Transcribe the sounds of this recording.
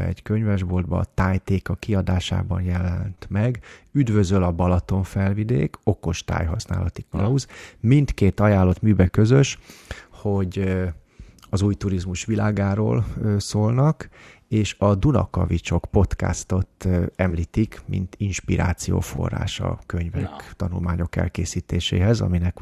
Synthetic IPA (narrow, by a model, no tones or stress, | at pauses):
ɛ̰ɟkøɲvɛʒbo̞ld̪bɒːt̪aːjt̪eːkɒkiɒd̪aːʃa̰ːbɒnjɛlɛnt̪mɛɡyd̪vø̞zølɒbɒlɒt̪o̞ɱfɛlvid̪ḛːko̞ko̞ʃt̪a̰ːjɦɒsna̰ːlɒt̪ikɒlɒuzmint̪keːt̪ɒjaːlːo̞t̪myːbɛkø̞zø̞ʃho̞ɟ | ɒzuːjt̪uɾizmuʃʋilaːɡaːɾo̰ːlsoːlnɒk | eːʃɒd̪unɒ̰kɒ̰vit͡ʃo̞kpo̞t̪ka̰st̪o̞t̪ɛmliːt̪ikmḭnt̪inʃpiɾa̰ːt̪sijo̰ːfo̞̰rːa̰ːʃɒ̰køɲvɛkt̪ɒnṵlmaːɲo̞kɛ̰lkeːsiːt̪eːʃḛːɦɛzɒ̰minɛk